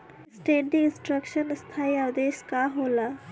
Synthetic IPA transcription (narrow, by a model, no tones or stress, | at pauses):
sʈeːɖĩɪ̃nsʈɾəkʃənst̪ʰaːiad̪eːʃkaɦoːla